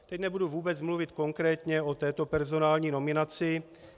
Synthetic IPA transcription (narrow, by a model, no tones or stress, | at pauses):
t̪ɛcnɛbuduvuːbɛt͡smluvɪt̪ko̞ŋkɾɛːt̪ɲɛo̞t̪ɛːt̪o̞pɛɾzo̞naːlɲiːno̞mɪnat͡sɪ